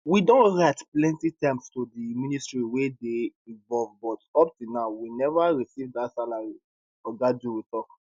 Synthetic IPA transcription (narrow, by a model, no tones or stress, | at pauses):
widõnɹaɪtplɛ̃ntitãɪ̃mstodimĩnistɹiwedeĩvɔlvbɔtɔp̚tilnaʊwinɛvaɹisivdatsalaɹi | ɔɡaduwitɔk